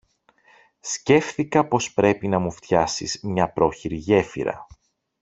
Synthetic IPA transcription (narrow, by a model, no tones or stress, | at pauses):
sce̞fθikɐpo̞spɾe̞pinɐmuft̪çɐsizmɲɐpɾo̞çiɾiʝe̞fḭɾɐ̰